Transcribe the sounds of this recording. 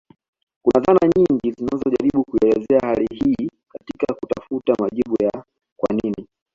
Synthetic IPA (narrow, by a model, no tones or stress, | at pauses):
kunaðanaɲiŋɡizinazɔʄaɾiɓukuiɛlɛzɛahalihiːkatikakutafutamaʄiɓuja | kwa̰nini